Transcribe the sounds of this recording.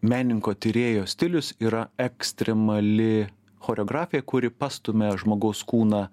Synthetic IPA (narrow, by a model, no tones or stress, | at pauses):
mʲæːnʲɪŋkoːt̪ʲɪɾʲeːjoːsʲt̪ʲɪlʲʊsiːɾɐɛksʲt̪ʲɾʲɛmɐlʲɪ | xoːɾʲɛɔːɡɾɑːfʲɪjɛkʊɾʲɪpɑːst̪ʊmʲɛʒmoːɡɐʊskuːnɑː